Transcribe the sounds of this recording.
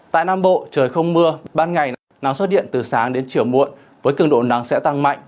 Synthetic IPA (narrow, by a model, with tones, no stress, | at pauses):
t̪a̰ː˧˨jnaː˧mɓo̰˧˨t͡ɕəː˨˩jxə˧wŋ͡mmɨ˧əɓaː˧nŋa˨˩j | na˨˦ŋswt̚ɗḭ˧˨ənt̪ɨ˨˩saː˨˦ŋɗe˨˦nt͡ɕi˧˩əwmṵ˧˨ən | vəː˨˦jkɨ˧˩əŋɗo̰˧˨na˨˦ŋsɛ̰˧˥t̪a˧ŋma̰˧˨jŋ̟